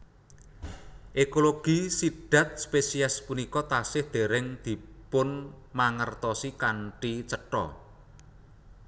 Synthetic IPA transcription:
ʔekoloɡ̥i̤sid̪̥a̤t̪̚spesiaspunikɔt̪asɪhd̪̥e̤ɾɪŋd̪̥i̤pʊn | maŋərt̪ɔsikaɳʈit͡ʃəʈɔ̰

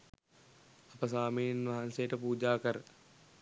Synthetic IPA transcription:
apəsaːminʋaɦansejəʈəpuːd͡ʒaːkəɾə

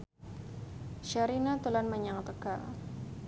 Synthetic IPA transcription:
ʃaɾinat̪ulanmaɲaŋt̪əka̰

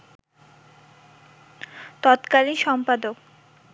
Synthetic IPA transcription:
t̪ɔt̪kaliʃɔmpad̪ok

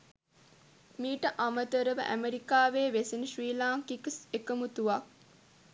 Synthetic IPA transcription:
miːʈəʔamət̪əɾəʋə̰ʔæ̰meɾikaːʋeːʋesiniʃɾiːlaːŋkiksekəmut̪uʋak̚

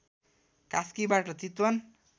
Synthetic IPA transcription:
kaskibaʈʌt̪it̪wʌn

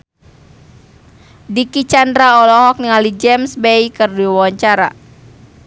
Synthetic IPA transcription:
dikit͡ʃandɾaɔlɔɦɔk̚niŋalid͡ʒɛmsbejkərduiwawaɲt͡ʃaɾa̰

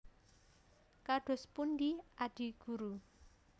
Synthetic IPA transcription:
kaɖ̥ɔ̤spundiaɖ̥i̤ɡ̥uɾu

